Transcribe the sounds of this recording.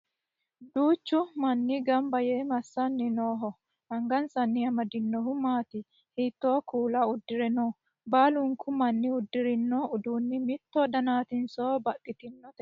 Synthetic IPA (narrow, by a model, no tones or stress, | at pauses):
d̪uːt͡ʃːʊmɐnːɪɡɐmbɐjemɐsːɐnːɪnoːɦɔ | hɐŋɡɐnsɐnːɪɐmɐd̪ɪnːɔɦʊmaːt̪ɪ | hiːt̪ːoːkuːlɐʊd̪ːɪɾɛnɔ | baːlʊŋkʰʊmɐnːɪʊd̪ːɪɾɪnːɔʊd̪uːnːɪmɪt̪ːod̪ɐnaːt̪ɪnsoːbɐkʼːɪt̪ɪnːɔt̪ɛ